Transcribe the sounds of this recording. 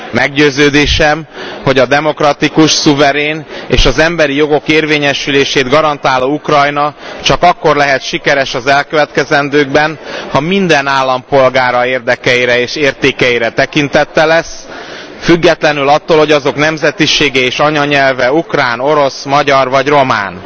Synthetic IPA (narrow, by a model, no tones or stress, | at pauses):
mɛɡɟøːzøːd̪eːʃɛmho̞ɟɒd̪ɛmo̞krɒt̪ikuʃsuvɛɾeːnḛːʃɒzɛmbɛɾijo̞ɡo̞keːrveːɲɛʃyleːʃeːd̪ɡɒɾɒnt̪aːloːukrɒjnɒt͡ʃɒkɒkːo̞rlɛɦɛt̪ʃikɛɾɛʃɒzɛlkøvɛt̪kɛzɛnd̪øːɡbɛnhɒmind̪ɛnaːlːɒmpo̞lɡaːɾɒeːrd̪ɛkɛjiɾɛeːʃeːrt̪eːkɛiɾɛt̪ɛkint̪ɛt̪ːɛlɛs | fyɡːɛt̪lɛnylɒt̪ːoːlhoɟɒzo̞knɛmzɛt̪iʃeːɡɛeːʃɒɲɒɲɛlvɛukraːno̞ɾo̞smɒɟɒrvɒɟro̞ma̰ːn